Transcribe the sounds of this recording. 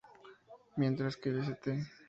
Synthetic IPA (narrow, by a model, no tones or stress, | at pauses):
mjent̪ɾaskeʎes̬et̪e